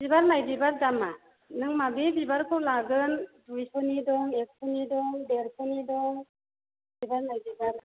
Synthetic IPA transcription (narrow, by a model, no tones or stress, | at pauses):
bibaɾnajbibaɾdama | nɯŋmabebibaɾkʰɯwlaɡɯndujpʰɔnidɔŋek̚pʰɔnidɔŋdeɾpʰɔnidɔŋ | bibaɾnajbibaɾ